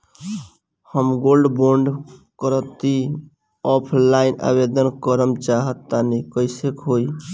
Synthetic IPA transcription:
həmɡolɖboɳɖkəɾət̪i | ɔpʰlainʔa̰bed̪ənkəɾəmt͡ʃaɦət̪ːanikəɪsekɦoj

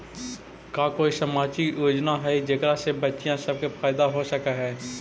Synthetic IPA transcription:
kaːkoːisəmaːt͡ʃijoːd͡ʒnaɦɛd͡ʒekɾasebɐtːʃijãsɐb̚kefʰaːɪd̪aɦosəkaɦɛː

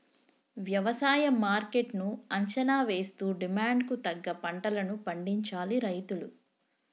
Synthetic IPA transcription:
ʋjɐʋɐsaːjɐmaːɾke̞ʈnuɐɲt͡ʃɐnaːʋe̞ːst̪uːɖimaːɳɖkut̪ɐɡːɐpɐɳʈɐlɐnupɐɳɖiɲt͡ʃaːliɾɐjt̪ulu

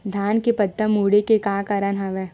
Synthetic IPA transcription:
d̪ʱjaːnkepəd̪ːəmuːɽekekaːkɐɾənɦɐʋeː

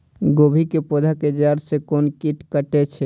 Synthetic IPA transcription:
ɡobʱikepod̪ʱaked͡ʒaɾsekonkiʈkəʈet͡ʃʰɛ

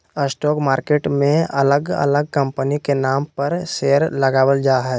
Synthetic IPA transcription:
əsʈɔːkmaːɾkeːʈmẽɐləɡə̰ləɡ̚kə̃mpənikenaːmpəɾseːəɾləɡaːwəld͡ʒaːɦɛː

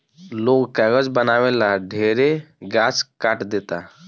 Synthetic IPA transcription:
lokkaɡəd͡zbənaʋɛlaɖʱeɾeɡat͡skaʈd̪et̪a

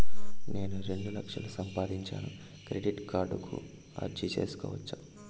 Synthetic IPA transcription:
ne̞ːnuɾe̞ɳɖulɐkʂɐlusɐmpaːd̪iɲt͡ʃa̰ːnu | kɾeɖiʈkaːɾɖukṵ | ɐ̰ɾt͡ʃit͡ʃḛːsu̥kɔ̰ːʋɐt͡ʃːa

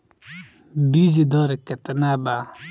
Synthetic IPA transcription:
bid͡ʒid̪ɔɾɛkɛt̪ənaba

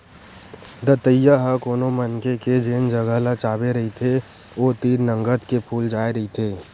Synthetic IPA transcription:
d̪ət̪əjːaɦəkoːnomənkeked͡ʒeːnd͡ʒəɡəlat͡ʃaːbeɾɐɦit̪ʰeoːt̪iːɾnə̃ŋɡət̪kepʰuːld͡ʒaːeɾɐɦit̪ʰeː

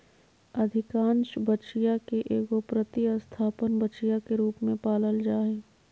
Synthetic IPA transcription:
ɐd̪ʱɪkãːnʃbəʃijakeʔeːkopɾət̪iəst̪ʰaːpənbətːt͡ʃijakeɾuːpmẽpaːləld͡ʒaːeː

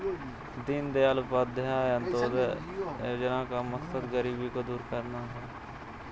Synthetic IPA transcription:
d̪ind̪ealʊpaːd̪ʱəɦãə̃nt̪oːd̪ | d͡ʒənãːkaməksəd̪ɡəɾiːbikod̪uːɾkəɾnaɦɛː

